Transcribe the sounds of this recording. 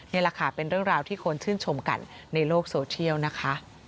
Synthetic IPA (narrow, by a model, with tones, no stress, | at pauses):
na˧˥jɾaː˧kʰaː˨˩˦pe˧nɾɯ˥˩əŋɾaː˧wt̪ʰiː˥˩kʰo˧nt͡ɕʰɯː˥˩nt͡ɕʰo˧mka̰˧nːa˧jloː˥˩k̚soː˧t͡ɕʰi˥˩əwna˦˥kʰa˦˥ʔ